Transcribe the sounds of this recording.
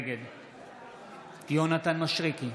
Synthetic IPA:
ɡed̪ | d̪ionat̪anmaʃʁiki

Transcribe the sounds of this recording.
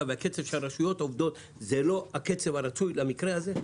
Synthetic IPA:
veake̞t͡sev̥ʃelaʁaʃujo̞t̪ovd̪o̞t̪ | zelo̞ake̞t͡se̞vaɾat͡sujlamikʁeaze

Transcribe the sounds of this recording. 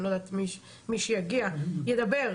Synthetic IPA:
nod̪at̪miʃ | miʃejaɡiajed̪abe̞ʁ

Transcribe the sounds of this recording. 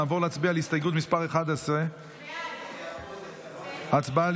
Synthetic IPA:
aːvo̞ʁleat͡sbialist̪ajɡut̪mispaʁeχad̪ase | at͡sbal

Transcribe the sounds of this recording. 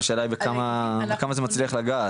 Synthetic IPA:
ʃelajbekamabekamazemat͡sliaχlaɡaː

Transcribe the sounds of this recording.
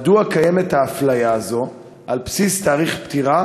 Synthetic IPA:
d̪uakaje̞met̪haːflajaːzo̞ | ʔalpsist̪aːʁiχpt̪iʁa

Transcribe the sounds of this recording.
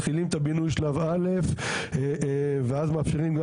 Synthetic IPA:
χilimt̪abinujʃelavale̞f | veazmaːfʃiʁimɡa

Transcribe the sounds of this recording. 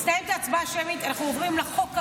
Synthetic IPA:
st̪ajemt̪aːt͡sbaːʃemit̪anaχnuovʁimleχok

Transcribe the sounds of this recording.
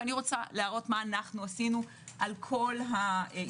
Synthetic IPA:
niʁo̞t͡sa̰leaʁo̞tmaːnaχnuasinu | ʔalkʰo̞lɦa

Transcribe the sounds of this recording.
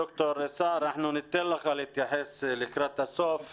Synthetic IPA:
ʊkt̪oɾsaːɾnaħnunɪt̪ːelːaxalɪt̪jaħɪslɪkɾat̪asoːf

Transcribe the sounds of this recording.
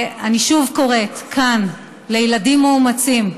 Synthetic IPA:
aniʃuvko̞ʁe̞tkʰan | lejladimːoumat͡sim

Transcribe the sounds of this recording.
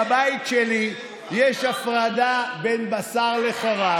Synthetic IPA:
bait̪ʃeli | jeʃafʁad̪abenbasaʁle̞χaʁa

